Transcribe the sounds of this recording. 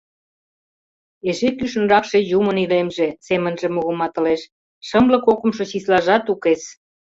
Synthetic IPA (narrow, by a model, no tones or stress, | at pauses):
eʃekyʃə̆nrɑkʃe̽jumənilemʒesemənʒemuɣəmɑt̪ə̆leʃ | ʃəmlə̆kokə̆mʃot͡ɕislɑʒɑt̪ukes